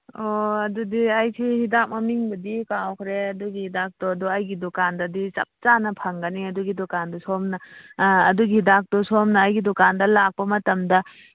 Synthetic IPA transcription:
oɐdudiɐjsʰihidak̚mɐmiŋbɐdikawkʰɾeɐduɡihidak̚tɔɐduɐjɡidɔkandɐdit͡ʃɐ̰p̚t͡ʃanɐpʰɐŋɡɐniɐduɡidɔkandɔsomnɐː | duɡihidak̚tɔsomnɐːjɡidɔkandɐlak̚pɐmɐtɐmdɐ

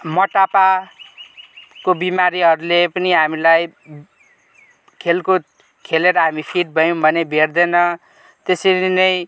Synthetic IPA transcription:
mʌʈapa | kobimaɾiɦʌɾulepʌniɦamilaj | kʰelko | kʰeleɾʌɦamipʰiʈ̚bʱʌjõbʱʌnebʱerd̪enʌ | t̪eseɾinʌj

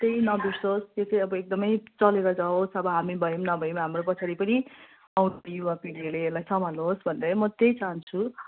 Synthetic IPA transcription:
t̪ejnʌbisost̪et͡sãʌbʌek̚d̪ʌmʌjt͡sʌleɾʌd͡zaosʌbʌɦamibʱʌemnʌbʱʌjemɦamropʌt͡sʰaɾipʌni | ʌwjuapiɽijoleːlajsʰʌmaluɦosbʱʌnd̪ʌmʌt̪ejt͡saɦʌnt͡sʰu

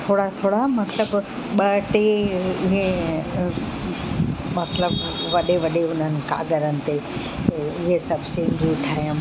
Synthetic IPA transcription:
t̪ʰoːɽat̪ʰoːɽamɐt̪ləb | ɓɐʈeɪɦẽ | mɐt̪ləbʋɐɗeʋɐɗeʊn̤ənɪ̆ka̰ːɡəɾənɪ̆t̪e | ɪɦesɐbʱsɪ̃ŋɡiʈʰaːjəm

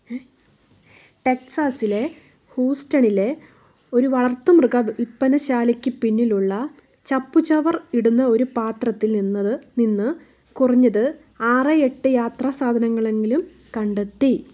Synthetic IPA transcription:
ʈeksaːsile̞ | huːstɐɳile̞ | o̞ɾuʋɐɭɐrt̪ːumrɨɡɐipːɐnɐɕaːlikʲːɨpinːiluɭːɐ | t͡ɕɐpːut͡ɕɐʋɐriɽunːɐo̞ɾupaːt̪rɐt̪ːilninːɐðɨninːɨ | kurɐɲːɐðɨ | aːrɨe̞ʈːɨjaːt̪raːsaːd̪ʱɐnɐŋːɐɭe̞ŋɡilum | kɐɳɖet̪ːi

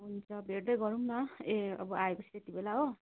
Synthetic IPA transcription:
ɦunt͡sʰʌbʱeɽd̪ʌjɡʌɾumnʌeʌ̰bɔaekosʰi̥t̪et̪ibelaɦo

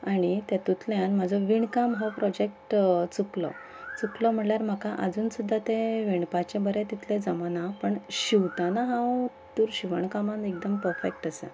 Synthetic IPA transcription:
aɽ̃it̪at̪ut̪ljãnm̤ad͡zʱɔʋiɳkamɦãwpɾɔd͡ʑek̚ʈt͡suklɔ̰ | t͡suklɔm̤əɳljaɾm̤akaʔəd͡zuːnsud̪ʱːat̪ẽʋiɳpat͡ɕẽbəɾɛt̪it̪ʰlɛ̃d͡zəmanapəɳɕiʋt̪anaɦãw | t̪uɾɕiʋəɳkamãnek̚d̪əmpəɾfekʈəsḛ

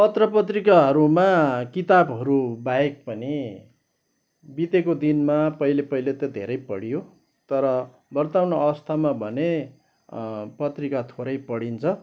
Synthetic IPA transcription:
pʌt̪rʌpʌt̪rikaɦʌɾumakit̪abɦʌɾubaek̚pʌni | bit̪ekod̪inmapʌilepʌilet̪ʌd̪ʱḛɾʌjpʌɽijo | t̪ʌɾʌ | bʱʌrt̪awnoʌwʌst̪ʰamabʱʌne | pʌt̪rikat̪ʰoɾʌjpʌɽint͡sʰʌ

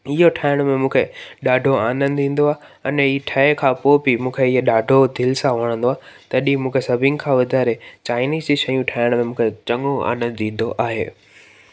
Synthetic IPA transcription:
ɪɦoʈʰaːɪɽ̃mẽmũːkʰeɗaːɖʱoaːnə̃nd̪ĩːn̆d̪oaːɦ | ɐnɪʈʰɐekʰãːpoːpimũːkʰeɪɦeɗaːɖʱod̪ʱɪlsãʋɐɽ̃nd̪oaːɦt̪ɐɗĩmũːkʰesɐbʱɪ̃ŋɡkʰãːʋɐd̪ʱaːɾet͡ɕaːɪniːziʃɐjũʈʰaːɪɽ̃mẽmũːkʰet͡ɕɐŋoa̰ːnə̃nd̪ĩːn̆d̪oʔaːɦḛː

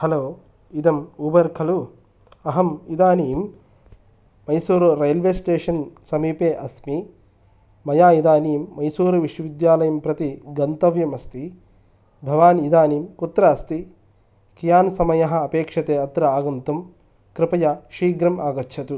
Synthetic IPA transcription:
hɐloː | id̪ɐmubɐɾkʰɐlu | ɐɦɐmid̪aːniːm | mɐjsuːɾuɾejɐlʋeːsʈeːʂɐnsɐmiːpeːʔɐsmi | mɐjaːid̪aːniːmːɐjsuːɾuʋiʂɐʋid̪jaːlɐjɐmpɾɐt̪iɡɐnt̪ɐʋjɐmɐst̪i | bʱɐʋaːnid̪aːniːmkut̪ɾɐɐst̪i | kijaːnsɐmɐjɐɦɐ̆ːpeːkʂɐt̪eːɐt̪ɾɐaːɡɐnt̪ɐm | kɾɪpɐjɐʃiːɡɾɐmaːɡɐtːʃʰɐt̪u

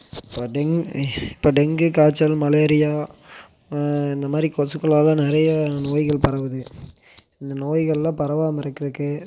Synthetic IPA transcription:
ɪpːoːɖɛŋɡɪpːoːɖɛŋɡɯkaːt͡ʃːɐlmɐleːɾɪjaː | ɪnd̪ɐmaːd̪ɾikosɯkːɯlaːlãːnɪɾɐjɐnoːjɣɐɭpɐɾɐʋɐðɯ | ɪnd̪ɐnoːjɣɐɭlãːpɐɾɐʋaːmɪɾɐkːɪɾɯkːɯ

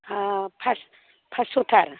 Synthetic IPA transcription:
pʰas | pʰasot̪ʰaɾ

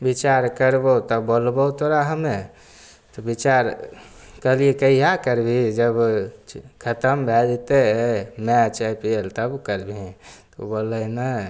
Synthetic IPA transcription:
bit͡ʃaɾkəɾbot̪əbolbət̪oɾaɦəme | t̪ɔbit͡ʃaɾ | kəliekəɦakəɾbid͡ʒəb | kʰət̪əmbʱɛd̪it̪emɛt͡ʃəpielt̪əbkəɾbʱĩt̪obolənə

